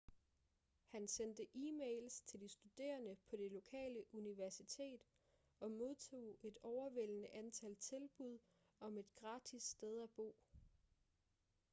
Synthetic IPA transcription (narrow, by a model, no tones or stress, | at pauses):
hænsend̥əʔiːmeɪlst͡sʰe̝ld̥isd̥ud̥e̝̰ːɐnəpʰɒ̽d̥e̝lo̝kʰɛ̰ːləʔuniʋæɐsit͡sʰe̝̰ːd̥ | ɒ̽mo̝ðˠt͡sʰo̝̰ːe̝d̥ɒʊɐʋel̰ənəʔænt͡sʰælt͡sʰe̝lb̥uð̞̰ˠ | ɒ̽me̝d̥ɡ̥ʁɑ̈ːd̥ʰisːd̥eð̞ˠæb̥o̝̰ː